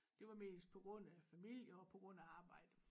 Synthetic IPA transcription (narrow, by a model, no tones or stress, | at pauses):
d̥e̝ʋɑ̈me̝̰ːsd̥̚pʰɒ̽ɡ̥ʁɔ̽n̰æfæmil̰jɐɒ̽pʰɒ̽ɡ̥ʁɔ̽n̰æɑ̈ːb̥ɑ̈ɪ̰d̥ə